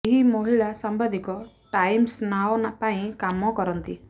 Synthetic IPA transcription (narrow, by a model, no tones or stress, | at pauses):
eɦimɔɦiɭasambad̪ikɔ | ʈajmsnawnapaĩkamɔkɔɾɔnt̪i